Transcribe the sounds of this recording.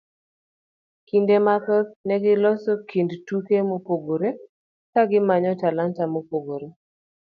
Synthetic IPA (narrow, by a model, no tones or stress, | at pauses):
kindemakəknɛɡɪlɔsɔkʰindtukemopoɡoɾe | kaɡɪmaɲɔtalantamopoɡoɾe